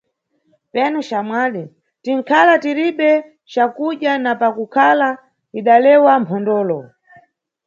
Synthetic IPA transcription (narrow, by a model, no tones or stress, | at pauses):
pɛnut͡ʃamwali | tiŋ̩kʰalatiɾiɓɛ | t͡ʃakuʄanapakukʰala | iɗalɛwampʰɔndɔːlɔ